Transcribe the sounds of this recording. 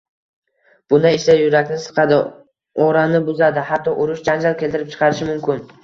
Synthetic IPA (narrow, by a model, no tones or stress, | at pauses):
b̥ʊnaeʃajʊɾakʲnɪsɨ̥qʰɑd̪ɪ | oɾanɪbʊzad̪ɪhat̪ʰːɒʔʊɾʊʃd͡ʒand͡ʒalˠkʲʰe̞lʲt̪ʰɪɾɪpt͡ʃʰɨ̥qʰɑɾɪʃɪmʊmkʲɪn